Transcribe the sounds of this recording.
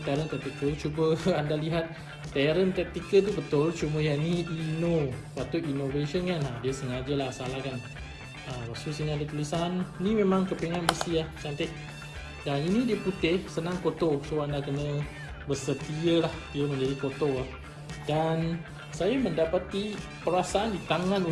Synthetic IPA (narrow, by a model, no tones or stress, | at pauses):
t̪aɾənt̪ɛt̪ikəlt͡ʃubəandaliɦat̪̚ː | aɾənt̪ɛt̪ikəlt̪ubət̪ʊlt͡ʃuməjaniinopat̪ʊʔinoveʃənkanadiəsəŋad͡ʒəlahsalahkan | əmwak̚t̪usiŋadit̪ulisannimẽmãŋkəpeŋanbəsiaht͡ʃant̪ɪʔ̚ | daninidiəput̪ɪhsənãŋkot̪osoandakənə | bəsət̪iəlahdiəmə̃ɲd͡ʒadikot̪olah | dan | sajaməndapat̪i | pəɾasaandit̪aŋãnu